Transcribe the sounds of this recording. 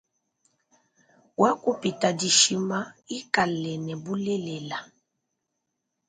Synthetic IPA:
wa˦ku˦pi˨ta˨di˨ʃi˦ma˦i˦ka˨lɛ˨nɛ˨bu˦lɛ˦lɛ˨la˨

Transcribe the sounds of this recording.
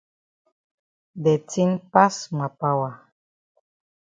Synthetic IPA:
dɛ˨ti˦npa˦sma˨pa˦wa˨

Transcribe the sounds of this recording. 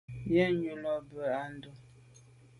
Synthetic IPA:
jɛ˦ɲu˨lɔ˦bə˨a˦n̩˦do˦

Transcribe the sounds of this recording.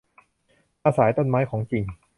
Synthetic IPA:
ʔaː˧saː˩˦jt̪o˥˩˨nmaː˦˥jkʰɔː˩˦ŋt͡ɕi˨˩ŋ

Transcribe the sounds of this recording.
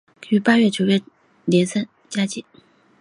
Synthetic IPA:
ky˧˥pa˥ɥɛ˥˩t͡ɕjo˧˥ʊɥɛ˥˩ | ljɛ˧˥nsə˥˩n | t͡ɕja˥t͡ɕi˧˥˩

